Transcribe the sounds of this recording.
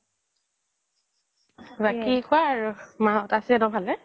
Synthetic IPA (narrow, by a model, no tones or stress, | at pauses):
bakikʰʊaːɹumaɦɔtasiɛdɔbʱalɛ